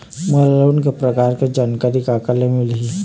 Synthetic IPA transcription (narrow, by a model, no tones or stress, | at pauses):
məlləwnkepɾəkaɾked͡ʒaːnkaɾikakəlemɪlɦi